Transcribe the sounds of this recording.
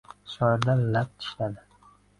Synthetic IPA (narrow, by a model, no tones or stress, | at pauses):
ʃɒɪɾd̪alap̚t̪ʰɪ̥ʃlad̪ɪ